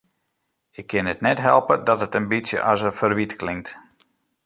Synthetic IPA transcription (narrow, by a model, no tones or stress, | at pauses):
ɪkʰːɪnətnɛtɦɛlˠpədɔtətənbitsjə̰ʔɑsəfərʋitklɪŋt